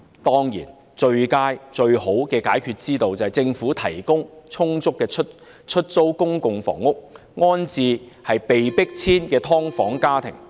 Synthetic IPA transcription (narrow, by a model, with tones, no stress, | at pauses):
t̪ɔː˥ŋjḭː˨˩n | t͡ʃɵ˧ɥkaː˥jt͡ʃɵ˧ɥho˨˥wkɛː˧kaː˨˥jkʰyː˧t̚t͡siː˥t̪o˧wt͡sɐ˨˩hɐ˨jt͡sɪ˧ŋfuː˨˥t̪ʰɐ˨˩jkʊ˥ŋt͡sʰʊ˥ŋt͡sʊ˥kːɛː˧t͡ʃʰɵ˥t | t͡ʃʰɵ˥t̚t͡so˥wkʊ˥ŋkʊ˨˧ŋfɔ̰ː˨˩ŋːʊ˥k̚ | ŋɔː˥nt͡siː˧ | hɐ˨jpe˨jpɪ˥k̚t͡sʰiː˥nkɛː˧t̪ʰɔː˥ŋfɔː˨˥ŋkaː˥t̪ʰɪ̰˨˩ŋ